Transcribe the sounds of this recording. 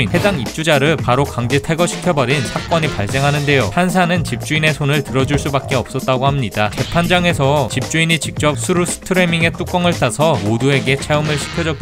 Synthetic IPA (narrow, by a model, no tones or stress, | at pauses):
inhe̞daŋip̚t͡ɕ͈ud͡ʑaɾɯɭpaɾokaŋd͡ʑetʰeɡʌɕʰi̥kʰjʌbʌɾinsʰak̚k͈ʌɲipaɭs͈e̞ŋɦanɯnde̞johans̬ʰanɯnt͡ɕip̚t͡ɕ͈uine̞sʰonɯɭtɯɾʌd͡ʑuɭs͈ubak̚k͈e̞ʌp̚s͈ʌt̚t͈aɡohamɲidat͡ɕe̞pʰand͡ʑaŋe̞sʰʌt͡ɕip̚t͡ɕ͈uinit͡ɕik̚t͡ɕ͈ʌp̚sʰuɾusʰɯ̥tʰɯɾe̞miŋe̞t͈uk͈ʌŋɯɭt͈asʰʌmodue̞ɡe̞t͡ɕʰeumɯɭɕʰi̥kʰjʌd͡ʑʌk͈